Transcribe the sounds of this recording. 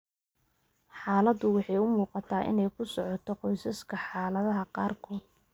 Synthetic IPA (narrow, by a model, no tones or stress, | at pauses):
ħɑːlɐd̪ʊwɑħɑjʊmuːqɑt̪ʰaːʔɪ̰nɛjkʰʊsɔʕɔt̪ʰɔqɔjsɐskʰɐħɑːlɐðɐɦɐqɑːrkʰɔːd̪